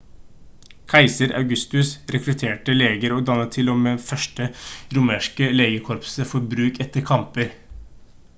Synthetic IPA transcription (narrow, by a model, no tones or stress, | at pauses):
kʰæɪsəɾɑ̰ʉɡʉst̪ʉsɾɛkɾʉt̪ʰeːʈəleːɡəɾoːd̪ɑnət̪ʰɪloːmeːfœʃʈəɾʊmeːʂkəleːɡəkʰɔɾpsəfɔɾbɾʉːkɛt̪ːəɾkʰɑmpəɾ